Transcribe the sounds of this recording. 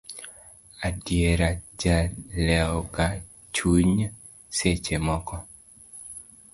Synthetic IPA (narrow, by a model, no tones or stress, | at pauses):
adjeɾad͡ʒalɛɔka | t͡ʃuɲ | set͡ʃemɔkɔ